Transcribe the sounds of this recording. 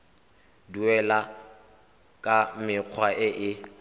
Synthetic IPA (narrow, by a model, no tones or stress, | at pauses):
duɛla | kʼamɪq͡χʰwaʔɪʔɪ